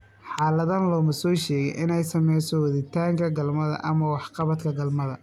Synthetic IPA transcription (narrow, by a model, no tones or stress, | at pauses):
ħɑːlɐðanlɔːmɐsɔːʃɛːɣɛ̰jʔɪ̰nɛjsɐmɛjsɔwɐðɪt̪ʰaːŋkʰɐɡɐlmɐðɐ̰ʔɐmɐwɑħqɑβɐt̪kʰɐɡɐlmɐðɐ̰